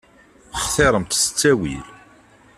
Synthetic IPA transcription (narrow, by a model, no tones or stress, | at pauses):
χθeɾˤəmt̪sə̥t͡sːæwil